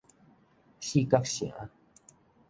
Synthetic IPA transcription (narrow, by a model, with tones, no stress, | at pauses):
ɕi˥˦˨ka˦kɕḭ˨˩˨ʔa˦